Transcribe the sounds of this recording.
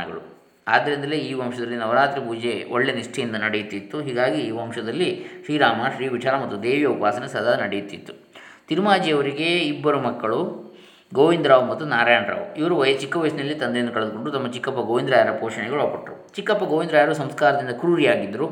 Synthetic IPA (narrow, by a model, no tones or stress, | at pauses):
ɐɡɐ̰ɭu | aːd̪ːɐɾind̪ɐleiːʋɐmʂɐd̪ɐlːinɐʋɐɾaːt̪ɾipuːd͡ʒe̞oɭːeniʂʈʰɐjind̪ɐnɐɽejut̪ːit̪ːuɦiːɡaːɡiːʋɐmʂɐd̪ɐlːiʃɾiːɾaːmaʃɾiːʋit͡ʃaːɾamɐt̪ːud̪eːʋjɐʋukʋaːsɐnesɐd̪ʱaːd̪ɐnɐɽejut̪ːit̪ːu̥ | t̪iɾmaːd͡ʒijɐʋɐɾiɡe̞ibːɐɾumɐkːɐɭu | ɡoːʋind̪ɾaːʋumɐt̪ːunaːɾaːjaɳɾa̰ːʋuiʋɐɾuʋɐjɐt͡ʃikːɐʋɐjɐsniɐlːit̪ɐnd̪ejnd̪ɐkɐɭed̪uko̞ɳɖut̪ɐmːɐt͡ʃikːɐpːɐɡoːʋind̪ɾaːjɐɾɐpoːʂɐɳɛɡɐɭuɐːpɐʈːɾut͡ʃikːɐpːɐɡoːʋind̪ɾaːjɐɾus̬ɐmskaːɾɐd̪ind̪ɐkɾuɾijaːɡid̪ːɐɾu